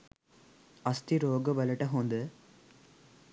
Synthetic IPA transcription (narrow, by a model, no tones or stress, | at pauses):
ɐst̪iɾoːɡɐʋɐlɐʈɐɦoːnd̪ɯ